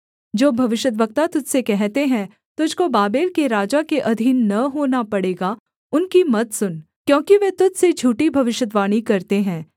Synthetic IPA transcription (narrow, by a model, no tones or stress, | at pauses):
d͡ʒoːbʱɐʋɪʃəd̪ʋək̚t̪at̪ʊd͡ʒʱsekɛɦt̪eɦɛ̃ | t̪ʊd͡ʒʱkobaːbeːlkeɾaːd͡ʒakeʔɐd̪ʱiːnːɐɦoːnapɐɽeːɡa | ʊnkimɐt̪sʊn | kjõːkiʋet̪ʊd͡ʒsed͡ʒʱuːʈibʱɐʋɪʃəd̪ʋaːñikɐɾt̪eɦɛ̃ː